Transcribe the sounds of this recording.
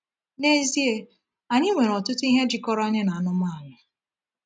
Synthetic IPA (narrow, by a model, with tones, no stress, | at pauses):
ne˦zi˦e˦ | a˨ɲɪ˦ŋʷe˨ɾɔ˨tʊ˦tʊ˦i˦ɦe˦d͡ʒi˨kɔ˦ɾa˦ɲɪ˦na˨a˨nʊ˦ma˦˨a˨nʊ˨